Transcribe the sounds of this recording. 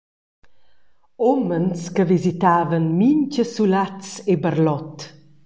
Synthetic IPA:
omənskəvizit̪aːvənmiɲt͡ʃəsulat͡sebərlɔt̪

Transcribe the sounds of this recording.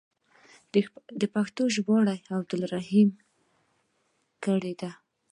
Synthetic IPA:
d̪əpaxt̪oʒbɑɽajab̚d̪ʊlɾaɦim | kəɽed̪a

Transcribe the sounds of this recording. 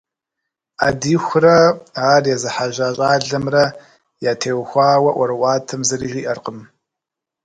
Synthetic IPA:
adiːxʷʊrɐaːrjɛzɨħaʒaːɕʼaːɮɐmrɐ | jaːtʰeːwxʷaːwɐʔʷɐɾwaːtʰɨmzɨriʒiːʔɐrqʼəm

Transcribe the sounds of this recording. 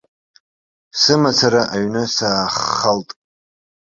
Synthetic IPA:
sɨmat͡sʰaɾaʔaɥnɨsaːχːaltʼ

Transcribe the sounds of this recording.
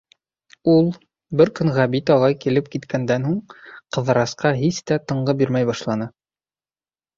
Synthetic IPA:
ulˠ | bɘɾkɵŋʁæbit̪ɑlˠɑjkilɘp̚kit̪kʰænd̪ænɦuɴqɤ̆ðɤ̆ɾɑsqɑɦist̪æt̪ɤ̆ɴɢɤbiɾmæjbɑʃlˠɑnɤ

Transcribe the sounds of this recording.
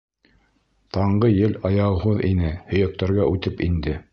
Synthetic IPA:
t̪ɑɴɢɤjɘlɑjɑɦuðinɘhɵ̆jæk̚t̪æɾɡæʔʉt̪ɘpind̪ɘ

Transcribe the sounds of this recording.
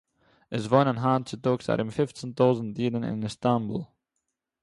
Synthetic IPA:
əs̬vɔnənɦaːnt͡sɪtoːksa̰ɾʔɪmfɪft͡səntoːzn̩tdiːdənɪ̰nɪstambṵlˠ

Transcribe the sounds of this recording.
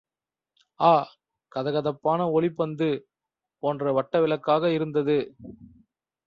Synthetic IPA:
aː | kɐðɐɣɐðɐpːaːnɐɔɭɪpːɐnd̪ɯ | poːndrɐʋɐʈːɐʋɪlɐkːaːɣɐɪɾɯnd̪ɐðɯ

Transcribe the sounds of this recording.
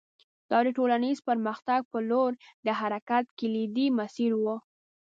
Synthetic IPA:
d̪̥ɑd̪əʈolanizpəɾməxt̪aɡ̚pəloɾd̪əɦaɾakat̪kɪlid̪imasiɾwu

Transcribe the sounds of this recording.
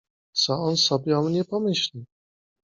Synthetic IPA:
t̪sɔɔnsɔbʲjɛɔmɲɛpɔmɘɕlʲi

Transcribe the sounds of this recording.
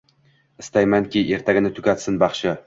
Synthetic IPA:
ɪ̥st̪ajmankʲiʔe̞ɾt̪ʰaɡʲɪnɪt̪ʰʊkʲat̪sɪnbɑχʃɪ

